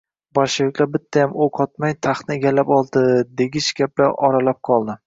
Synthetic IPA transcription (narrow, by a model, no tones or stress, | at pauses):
bɒɾʃɪvɪkʲlaɾbɪt̪ʰːajamoqʰɒt̪majt̪ʰaχnɪeɡʲalːapɒlˠd̪ɪd̪e̞ɡʲɪʃɡʲap̚la̰ʔɒɾalap̚qʰɒlˠd̪ɪ